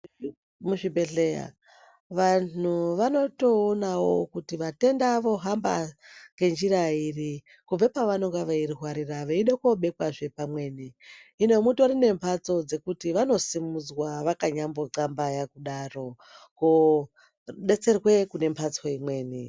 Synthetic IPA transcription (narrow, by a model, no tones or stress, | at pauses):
muʐibe̞ɮeja̰ | ʋanuʋano̞to̞ːnawo̞kutiʋate̞ndaʋo̞ɦamba̰ŋɡe̞nd͡ʒiɾairi | kub͡vepaʋano̞ŋɡaʋairiɦwaɾiraʋeiɗekoɓe̞kwaʐe̞pamwe̞ːniːnemuto̞ɾine̞mpʰat͡so̞d͡ze̞kutiʋano̞simud͡zwaʋakaɲambo̞ǀambajakuɗaro̞ | ko | ɗe̞t͡se̞rwe̞kune̞mpʰat͡so̞imwe̞ːni